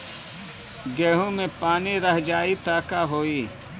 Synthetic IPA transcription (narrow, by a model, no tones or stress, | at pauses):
ɡeːɦõmẽpaːniɾɐɦd͡ʒaːit̪aːkaɦoːiː